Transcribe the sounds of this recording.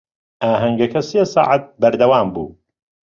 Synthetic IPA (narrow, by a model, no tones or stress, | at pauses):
ʔaːɦɐŋɡɐkʰɐseːsɑ̰ːʕat̪̚bɐɾd̪ɐwaːmbṵː